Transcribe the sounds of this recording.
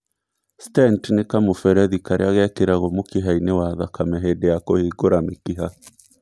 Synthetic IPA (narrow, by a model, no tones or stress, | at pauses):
stɛntnekamofɛɾɛðikaɾḛaɣɛkeɾaɣomokeɦainewaðakamɛɦedejakohiɡoɾamekiɦa